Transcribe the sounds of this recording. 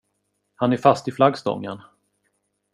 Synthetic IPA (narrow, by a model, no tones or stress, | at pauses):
hanæɾfast̪ɪflaɡst̪ɔ̰ŋːə̰n